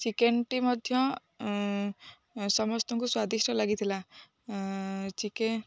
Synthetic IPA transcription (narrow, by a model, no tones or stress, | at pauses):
t͡ʃikenʈimʌd̪ʱjʌ | sʌmɔst̪ɔŋkuswad̪isʈʌlaɡit̪ʰila | t͡ʃike